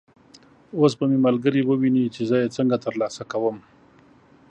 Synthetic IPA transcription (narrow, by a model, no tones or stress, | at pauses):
os̬bəmemalɡəɾiwəwinit͡ʃezəjet͡səŋɡat̪əɾlɑsakawəm